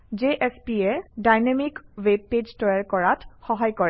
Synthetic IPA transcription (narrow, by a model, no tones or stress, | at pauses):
d͡ʒeʔɛspiɛdajnemikweb̚ped͡ʒtɔjaɹkɔɹatxɔɦajkɔɹɛ